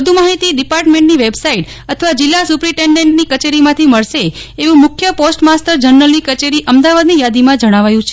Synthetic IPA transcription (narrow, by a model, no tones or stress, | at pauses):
əd̪ʱumaɦit̪iɖipaɾʈmẽɳʈniʋebsaiʈ | ət̪ʰəʋad͡ʒɪlːasupɾiʈeɳɖeɳʈnikət͡ʃeɾimãt̪ʰiməɭʃeːʋũmʊkʰjəposʈmasʈəɾd͡ʒəɾnəlnikət͡ʃeɾiʔəmd̪aʋad̪nijad̪imãd͡ʒəɽ̃aʋajũt͡ʃʰe